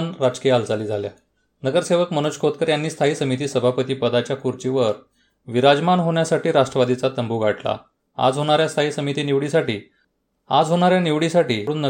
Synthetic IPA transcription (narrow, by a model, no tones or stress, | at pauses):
nɾat͡skeald͡zʱaliːd͡zʱalja | nəɡəɾseʋəkmənoɕkʰot̪̚kəɾjanːiːst̪ʰaɦiːsəmit̪̬iːsəbʱapət̪iːpəd̪at͡ɕjakuɾt͡ɕiʋəɾ | ʋiɾad͡ʑmanɦoɳjasaʈiːɾaʂʈɾəʋad̪it͡sat̪əmbuɡʱaʈla̰ | a̰d͡zɦoɽ̃aɾjast̪ʰaɦiːsəmit̪iːniʋɽisaʈiː | a̰d͡zɦoɽ̃aɾjaniʋɽisaʈiːɽuːnːə